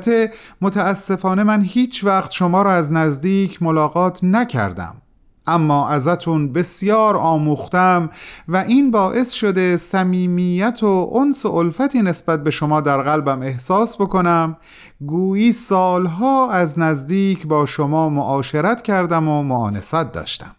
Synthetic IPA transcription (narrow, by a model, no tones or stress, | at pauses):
t̪ʰe | mot̪ʰæːsːe̞fɒːne̞mænhiːt͡ʃʰvæχt̪ʃomɒːɾɒːæznæzd̪iːcʰmolɒːɣɒːt̪ʰnæcʰæ̰ɾd̪æ̰m | ʔæmːɒːʔæzæt̪ʰunbe̞sjɒːɾɒːmuːxt̪æmvæʔiːnbɒːʔe̞sʃo̞d̪e̞sæmiːmijæt̪ʰoʔonsoʔolfæt̪ʰiːne̞sbæt̪̚be̞ʃomɒːd̪æɾɣælbæme̞hsɒːsbo̞ko̞næm | ɡuːjiːsɒːlɦɒːæznæzd̪iːcʰbɒːʃomɒːmoʔɒːʃeɾæt̪ʰcʰæɾd̪æmomoɒ̰ːne̞sæt̪̚d̪ɒ̰ːʃt̪æ̥̰m